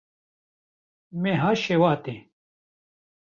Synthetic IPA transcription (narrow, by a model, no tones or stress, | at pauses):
mẽɦaɕewaːt̪ẽ